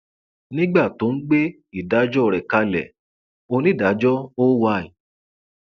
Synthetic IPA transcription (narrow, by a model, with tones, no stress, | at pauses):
nĩ˦ɡ͡ba˦˨to˨˦n̩˦ɡ͡be˦ | i˦˨da˨˦d͡ʒɔ˦˨ɾɛ˨ka˧lɛ̰˨ | o˧nĩ˦˨da˨˦d͡ʒɔ˦o˦wa˧˦˨ĩ˨